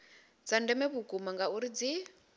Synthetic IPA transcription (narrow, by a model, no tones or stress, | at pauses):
d͡zandɛmɛβukɡumaŋɡauɾid͡zi